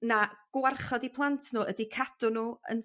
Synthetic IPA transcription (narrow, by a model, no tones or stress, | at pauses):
naɡ̥warχɔdipʰlˠantʰnuːədikʰad̥ʊnuːə̰n